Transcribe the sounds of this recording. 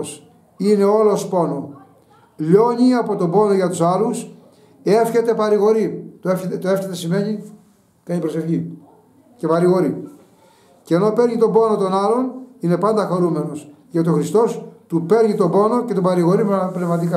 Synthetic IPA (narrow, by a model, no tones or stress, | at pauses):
s | ine̞o̞lospo̞no̞ | ʎo̞ɲiɐpo̞t̪o̞bo̞no̞ʝɐt̪usɐlus | e̞fçe̞t̪e̞pɐɾiɣo̞ɾit̪oeft̪oe̞fçet̪esime̞ɲi | kɐɲipɾo̞se̞fçi | ce̞pɐɾiɣo̞ɾi | ceno̞pe̞ɾɲit̪o̞bo̞not̪onɐlo̞nine̞pɐnd̪ɐxoɾume̞no̞s | ʝɐt̪io̞xɾist̪o̞st̪upe̞ɾɲit̪o̞bo̞no̞ce̞t̪obɐɾiɣo̞ɾimepnevmɐt̪̬ikɐ